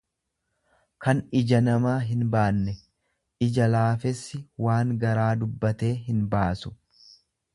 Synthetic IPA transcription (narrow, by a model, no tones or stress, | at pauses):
kɐnɪd͡ʒɐnɐmaːɦɪnbaːnːɛ | ɪd͡ʒɐlaːfɛsːɪwaːŋɡɐɾaːd̪ʊbːɐt̪e̞ːɦɪnbaːsʊ̥